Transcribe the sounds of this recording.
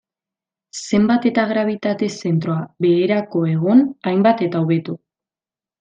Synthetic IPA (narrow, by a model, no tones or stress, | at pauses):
se̞mbat̪e̞t̪aɣɾaβ̞it̪at̪e̞se̞nt̪ɾoaβe̞ːɾako̞e̞ɣonajmbat̪e̞t̪aoβe̞t̪u